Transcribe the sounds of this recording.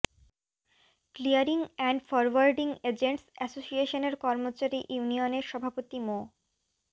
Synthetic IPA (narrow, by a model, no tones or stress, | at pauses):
klijaɾiŋɛɳɖfɔɾwaɾɖiŋed͡ʑeɳʈsɛsosieʃoneɾkɔɾmot͡ɕaɾiʔjunioneɾʃɔbʱapot̪imo